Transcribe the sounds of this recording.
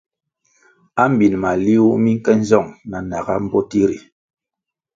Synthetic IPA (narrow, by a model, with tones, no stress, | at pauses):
a˦m˦bi˨nma˨li˦u˦mi˦ŋ̩˦kɛ˦n̩˦zɔ˦˨ŋna˨na˨ɡa̰˦m̩˦bɔ˦ti˦ɾi˨